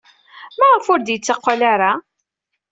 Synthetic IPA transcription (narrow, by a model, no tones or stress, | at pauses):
mæʁəfʊɾd̪jət͡sːɑqʷːalaɾa